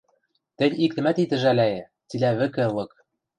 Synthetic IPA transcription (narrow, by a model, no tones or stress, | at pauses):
t̪ɘ̆nʲik̚t̪ɘ̆mæt̪it̪ɘ̆ʒælʲæjɘ̆ | t͡silæβɘ̆kɘ̆lɤ̆k